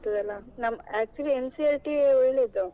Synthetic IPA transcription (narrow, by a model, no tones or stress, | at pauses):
t̪ɐd̪ɐlːɐnɐmːɐæːk̚t͡ʃuliensiɐlʈiɔɭled̪u